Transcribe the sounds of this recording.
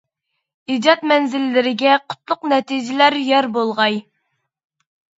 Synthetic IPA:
id͡ʒɑt̪mɛnzɪlːɪɾɪɡʲɛqʰʊ̥t̪lˠʊqnɛt̪ʰid͡ʒɪlæɾjɛɾbolˠʁɑj

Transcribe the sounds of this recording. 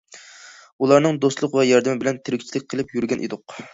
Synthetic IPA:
ulˠɑɾnɨŋd̪ost̪lˠʊqvɛjɑɾd̪ɨmɪbɪlɛnt̪ʰɪɾɪkʲt͡ʃʰilɪk̚ʲqʰəlˠɪpjyɾɡʲɛnʔḛd̪ʊq

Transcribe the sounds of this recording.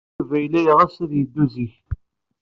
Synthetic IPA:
væjlæjʁæsiðjəd̪ːuziç

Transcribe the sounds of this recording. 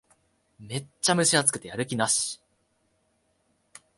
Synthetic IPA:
me̞ːamɯ̟ɕiat͡sɨ̥kɯ̟̥t̪ejaɾɯ̟kʲinaɕi̥

